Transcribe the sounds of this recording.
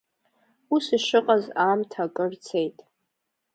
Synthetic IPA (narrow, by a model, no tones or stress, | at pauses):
usiʃɨqʼazaːmtʰakʼɨrt͡sʰe̞jtʼ